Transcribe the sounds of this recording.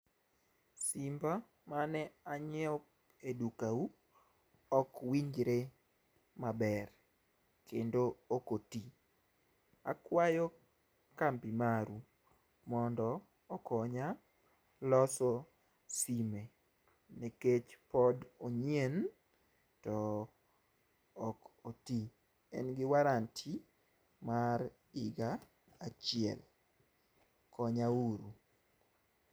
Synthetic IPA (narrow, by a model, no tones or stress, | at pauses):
simba | manɛaɲɛɔ | edukau | ɔkwiɲd͡ʒɾe | mabɛr | kʰendookoti | a̰kwajɔ | kampimaɾu | mɔndɔ | ɔkɔɲa | lɔsɔ | sime | neket͡ʃpɔdoɲjen | tɔ | koti | ɛ̰nɡɪwaɾantʰi | maɾ | ɪɡaː | t͡ʃɪɛ̰l | kɔɲauɾu